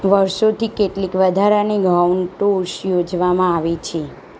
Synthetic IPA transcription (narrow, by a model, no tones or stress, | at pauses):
ʋəɾʃot̪ikeʈlikʋəd̪ʱaɾaniɡauɳʈoʃjod͡ʒʋamãaʋit͡ʃʰe